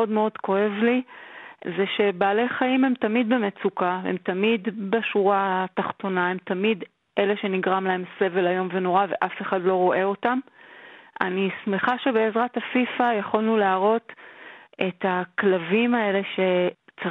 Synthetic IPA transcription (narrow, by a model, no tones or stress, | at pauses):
odmeo̞dko̞e̞vli | zeʃe̞baːle̞jχaimhe̞mtamid̪̚bemet͡sukaḛmt̪amid̪baʃuʁat̪aχto̞nae̞mtamid̪ | ʔe̞le̞ʃe̞niɡʁamlae̞mse̞ve̞lajo̞mve̞no̞ʁave̞ʔafe̞χadlo̞ʁo̞ʔe̞o̞tam | ʔa̰nismeχaʃe̞be̞ːzʁatafifajaχolnuleaʁo̞t | e̞taklavimae̞le̞ʃe̞t͡s